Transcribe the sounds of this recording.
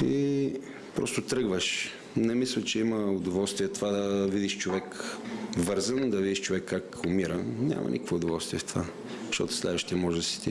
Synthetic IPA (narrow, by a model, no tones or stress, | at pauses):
ḭ | pɾɔ̰st̪ʊt̪ɾɤɡvəʃ | nɛmislʲət͡ʃɛiməʊd̪ovɔlˠst̪viɛt̪ovad̪ɐvid̪iʃt͡ʃovɛk | vɤɾzənd̪ɐvid̪iʃt͡ʃovɛkːakʊmiɾənʲa̰mʔɐ̰nikəkvoʊd̪ovɔlˠst̪viɛft̪ova | ʃt̪ɔ̰t̪ʊ̥slɛ̰d̪vəʃt̪iɛmɔʒɛd̪ɐsi̥t̪i